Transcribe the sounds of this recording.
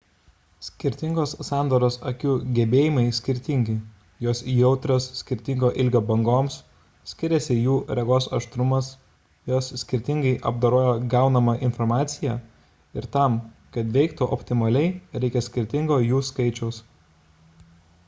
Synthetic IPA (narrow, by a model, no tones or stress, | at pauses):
sʲkʲɪɾʲt̪ʲɪŋɡoːssɑːnd̪oɾoːsɐkʲuːɡʲɛbʲeːjɪmɐɪsʲkʲɪɾʲt̪ʲɪŋʲɡʲɪ | joːsjɛʊt̪ʲɾʲoːssʲkʲɪɾʲt̪ʲɪŋɡoːʔɪlʲɡʲoːbɐŋɡoːms | sʲkʲɪɾʲɛsʲɪjuːɾʲɛɡoːsɐ̰ʃt̪ɾʊmɐs | joːsːʲkʲɪɾʲt̪ʲɪŋɡɐɪʔɐbd̪ɐɾoːjoːɡɑˑʊnɐmɐʔɪnfɔɾmɑːt̪sʲɪjæː | ɪɾt̪ɐˑmkɐt̪ʋʲɛɪkt̪uʔɔpʲt̪ʲɪmɐlʲɛɪɾʲɛɪkʲɛsʲkʲɪɾʲt̪ʲɪŋɡoːjuːskɐɪt͡ʃʲɛʊs